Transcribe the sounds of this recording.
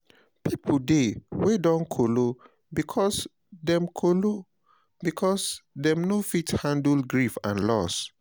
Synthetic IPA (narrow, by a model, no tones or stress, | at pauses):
pipʰldewedɔ̃nkʰolo | bikʰɔs | dɛ̃mkʰolo | bikʰɔsdɛ̃mnofithãndlɡɹifã̰nlɔs